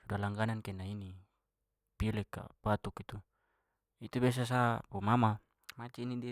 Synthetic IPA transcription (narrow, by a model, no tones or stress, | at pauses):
sudalaŋɡanankenaini | pilɛka̰bat̪ukit̪u | it̪ubes̬as̬apumama | mat͡ʃeinidi